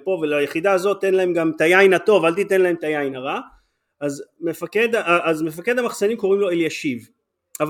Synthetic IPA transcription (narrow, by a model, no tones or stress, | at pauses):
po̞velajeχid̪aːzo̞t̪ːe̞nlae̞mɡamt̪ajajnato̞valt̪it̪enlae̞mt̪ajajnaʁa | ʔazmefaked̪aʔʔazmefake̞d̪hamaχsanimko̞ʁimlo̞eljaʃiv | av